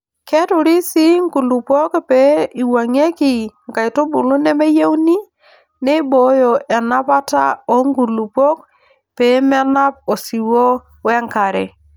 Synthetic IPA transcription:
kɛ˦tʊ˨ɾi˦si˦ŋɡu˨lu˨po˦kpɛ˨˦i˨wa˨ŋe˦ki˨ŋka˨i˨to˦bʊ˨lʊ˦nɛ˦mɛ˦je˦wni˦ | nɛ˦bo˨˦jɔ˨ʔɛ˨na˦pa˦ta̰˦ɔ˦ŋɡu˨lu˨po˦k̚ | pɛ˨˦mɛ˦na˦p̚o˨si˨wo˦ | wɛ˦ŋka˨ɾɛ̰˨

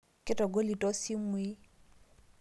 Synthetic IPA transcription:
kɪ˦tɔ˨ɡo˦li˨tɔ˦si˦mwi˦

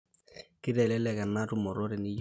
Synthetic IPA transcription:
kɪ˦ɾɛ˨lɛ˦lɛ˨ka˨na˦ɾu˦mɔ˨ɾɔ˦ɾɛ˨ni˦j

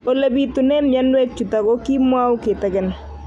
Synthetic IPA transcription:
o˨la˨bi˨tu˨nɛ˦mja˦nwe˦k̚t͡ʃu˨ta˨ɡo˦ki˦mwa˦wkɪ˨tɛ˦ɡɛ˨˦n

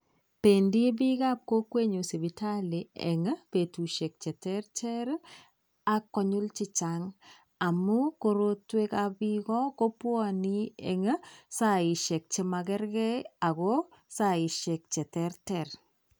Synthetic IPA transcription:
pe˨ndi˦bi˦ka˦p̚ko˦kwe˦ɲo˨se˨bi˨tʰa˦li˨ɛ̰˨ŋ˦pe˨tu˨ʃe˨k̚t͡ʃɛ˨tɛ˦ɾtɛ˦ɾ | a˦kːɔ˦ɲʊ˦lt͡ʃɪ˦t͡ʃaŋ | a˨mu˦ko˦ɾo˦twe˦ka˦bi˦kɔ˦ko˦pwɔ˦ni˦ɛ̰˨ŋ˦sa˦i˨ʃɛ˨k̚t͡ʃe˦ma˧kɛ˦ɾɡɛ˦a˨ko˦sa˨ɪ˨ʃɛ˨k̚t͡ʃɛ˨tɛ˦ɾtɛ˨ɾ

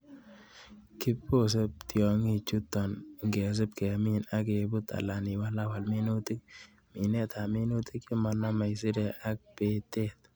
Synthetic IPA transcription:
kɪ˦po˦˨s̬e˦p̚t̪jɔ˨ŋi˦t͡ʃu˦t̪ɔ˨n˨ŋɡɛ˨s̬e˦p̚kɛ˨mi˦na˦k̬e˨bʊ˦t̪a̰˨la˨ni˨wa˦la˦wa˨lmɪ˦nu˦t̪ɪ˦k̚ | mi˨nɛ˦t̪ʰa˨mɪ˦nu˦t̪ɪ˦kɪ˦ma˨na˦ma˨jsɪ˦dɛ˨ʔa˦k̚pe˨t̪e˦t̪̚

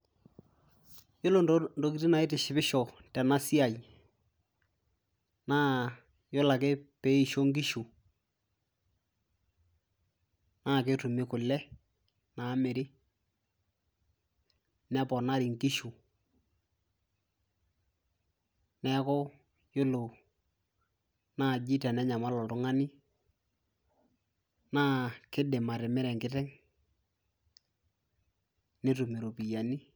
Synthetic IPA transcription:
jʊ˦lo˨ndo˨ki˨˦ti˦na˨ɪ˦tɪ˨ʃɪ˨bɪ˦ʃɔ˨tɛ˨na˦si˦a˨j | naː˦ | jʊ˦la˨ke˦pe˨˦i˨ʃo˦ŋɡi˦ʃu˨ | naː˦˨k̬e˦tʊ˨mɪ˦kʊ˨lɛ˦ | na˨˦mɪ˨ɾɪ˦ | nɛ˦pɔ˨na˦ɾi˨ŋki˦ʃu˨ | nɛ˦kʊ˦ | jʊ˦lʊ˨ | na˦˨d͡ʒi˦tɛ˨nɛ˦ɲa˨ma˦lɔ˨tʊ˨˦ŋa˦ni˦ | naː˦kɪ˦de˨ma˨ɾɪ˨mɪ˦ɾɛ˨ŋkɪ˦tɛ˦ŋ | ne˦tʊ˨mi˨ɾo˨pi˨ja˨ni˦

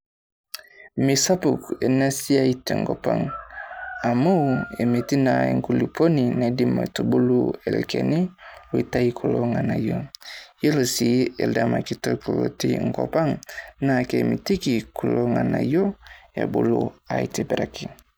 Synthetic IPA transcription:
mi˨sa˦pu˨ke˨na˦si˦a˦i˦te˨ŋɡo˨pa̰˦˨ŋ | a˨mo˦we˨me˨ti˦na˨ḛ˨ŋɡu˦li˨pʰo˦ni˨ne˨di˦ma̰˨tu˨bu˦lu˦e˨lkḛ˨ni˦o˨i˨ta˦i˦kʰu˨lo˦ŋa˨na˨jo˦je˦lo˨si˦e˨lda˦ma˨ki˨to˦ko˨lo˨ti˦ŋɡo̰˨pa˦ŋna˨ke˨mi˨ti˦ki˨ku˨lo˦ŋa˨na̰˨jo˦ḛ˨bu˦lṵ˦a˨i˦te˨bɾa˨ki˨

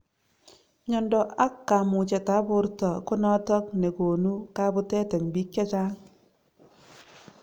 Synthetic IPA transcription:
ɲɔ˨ndɔ˨ʔa˦kːa˨mu˨t͡ʃɛ˨ta˦pʊ˦ɾtɔ˨ko˦nɔ˦tɔ˦k̚ne˨ko˨nu˦ka˦bo˦tɛ˦tɛ˨mbi˦kja˦t͡ʃa˦ŋ

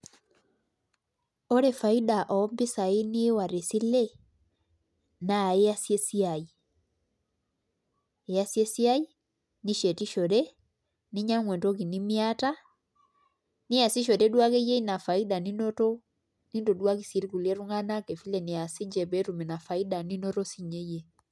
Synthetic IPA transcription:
ɔ˦ɾɛ˦fa˨i˦ɗa˨ʔɔ˨˦mbe˦sa˨e˦ni˦wa˨ɾe˨si˦lɛ˦ | na˨e˦a˦sɛ˦si˦a˨i˨ | ɛ˨a˦sjɛ˦si˦a˦i˦ | ni˦ʃɛ˨ti˦ʃɔ˨ɾɛ˦ | ni˦ɲa˦ŋwɛ˨ndɔ˦ki˨ni˦mi˦a˦ta˦ | ni˦a˨si˦ʃ̬ɔ˨ɾɛ˦dwa˦kɛ˦jɛ˦i˦na˨fa˨i˦da˨ni˦nɔ˦tɔ˦ | ni˦ndɔ˨dwa˦k̬i˨si˨ɾi˦ku˨lɛ˦ɾu˦ŋa˦na˦kɛ˨fi˦lɛ˨ni˨a˨si˦ɲd͡ʒɛ˨bɛ˨˦tu˨mɛ˨na˨fa˨i˦da˨ni˦nɔ˦ɾɔ˦si˦ɲɛ˦jɛ˦

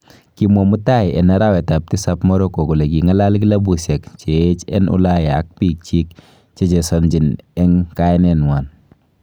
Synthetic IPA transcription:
kimɔ˨mu˦ta˦jʔɛ˨na˦ɾa˦wɛ˨ta˨p̚ti˦sapmɔ˦ɾɔ˦ko˨ku˨le˨kiŋa˦la˦lk̬i˦la˦bu˨se˨kt͡ʃee˦t͡ʃɛ̰˦nʊ̰˦la˦jːk̚pi˦k̚t͡ʃi˦k | t͡ʃɛ˦t͡ʃe˨sɔ˨nd͡ʒi˨nɛ˦ŋka˦nɛnwa˨n

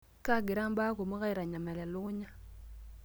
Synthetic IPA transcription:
ka˦ɡɪ˨ɾa˦mba˦ko˨mo˦ka˦i˨ɾa˨ɲa˨mɛ˨la˨lʊ˦ɲa˦

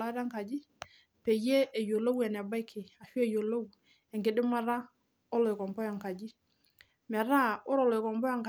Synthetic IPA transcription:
a˦ɾa˦ŋka˨d͡ʒɪ˦ | pɛ˨je˦e˨jo˨lo˦wɛ˨nɛ˨ba˦jkʰːɪ˨a˨ʃu˦e˨jo˨lo˦w | ɛ˨ŋkɪ˨dɪ˦ma˦ɾa˦ | ɔ˦lɔ˨jkɔ˨mbɔ˦jɔ˨ŋka˨d͡ʒi˦ | mɛ˨ɾa˦ʊ˦ɾɔ˨lɔ˨ɪ˨kɔ˨mbɔ˦ja˨ŋk

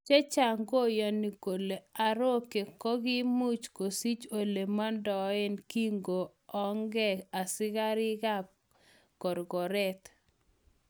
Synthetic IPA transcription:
t͡ʃe˦t͡ʃa˨ŋɡo˦jɔ˨ni˨ko˨le˨a˨ɾo˦ke˨kɔ˦ɡɪ˦mu˦t͡ʃko˨si˦t͡ʃo˨le˨ma˦ndɔ˨ɪ˦nki˦ŋɡo˨ | ɔ˦ŋɡɛ˦a˨sɪ˦ɡa˦ɾɪ˦ɡa˦ | kɔ˨ɾɡɔ˨ɾɛ˦t̪

